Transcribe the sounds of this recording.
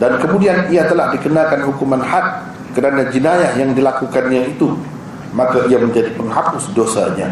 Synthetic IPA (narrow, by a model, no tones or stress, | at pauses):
dankəmudianiat̪əlahdikənakanɦukumanhat̪̚ | kəɾanad͡ʒinajahjaŋdilakukanɲait̪u | makaiaməɲd͡ʒadipəŋɦapʊsdosa̰ɲa̰